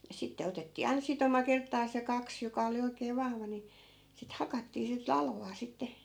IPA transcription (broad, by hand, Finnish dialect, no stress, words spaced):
jɑ sitːe otetːiː ɑinɑ̆ sitomɑ kertːɑːs jɑ kɑks jokɑ oli oikeː ʋɑhʋɑ ni sit hɑkɑtːiː sit lɑlʋɑː sitːe